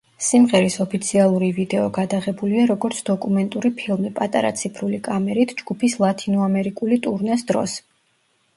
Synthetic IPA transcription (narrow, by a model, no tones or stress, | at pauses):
simʁɛɾisɔpʰit̪sʰialˠuɾivid̪ɛɔɡad̪aʁɛbuliaɾɔɡɔɾt̪sʰd̪ɔkʼumɛnt̪ʼuɾipʰilˠmipʼat̪ʼa̰ɾa̰t̪sʰipʰɾulikʼamɛɾit̪ʰd͡ʒɡ̥upʰislˠat̪ʼʰinɔamɛɾikʼulit̪ʼuɾnɛsd̪ɾɔ̰s